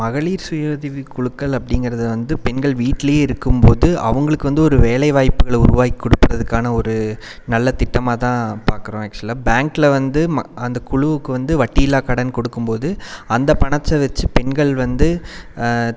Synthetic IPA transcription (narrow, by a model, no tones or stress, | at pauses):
mɐɣɐɭiːɾsʊjoːðɪʋikʊɻɯkːɐɭɐpːɐɽɪŋɡɪɾɐðɯʋɐnd̪ɯpɛnɡɐɭʋiːʈːɪlɐjeːɪɾɯkːɯmpoːðɯɐ̰ʋɐŋɡɐɭɯkːɯʋɐnd̪ɯɔɾɯʋeːlɐɪʋaːjpːɯɣɐɭʊɾʊʋaːɣɪkːɔɽɯpːɪɾɐðɯkːaːnɐɔɾɯ | nɐlːɐt̪ɪʈːɐmaːt̪ãːpaːɾkɯɾõːak̚t͡ʃlaːbaːŋklɐʋɐnd̪ɯmɐɐnd̪ɐkʊɻʊʋɯkːɯʋɐnd̪ɯʋɐʈːɪjɪlːaːkɐɽɐnkɔɽɯkːɯmpoːðɯɐnd̪ɐpɐɳɐt͡ʃːɐʋɛt͡ʃːɯpɛnɡɐɭʋɐnd̪ɯ